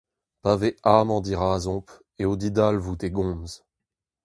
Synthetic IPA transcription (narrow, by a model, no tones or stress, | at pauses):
paveʔaːmɑ̃d̪iʁaːzɔ̃p | eod̪id̪alvut̪eɡɔ̃ːmz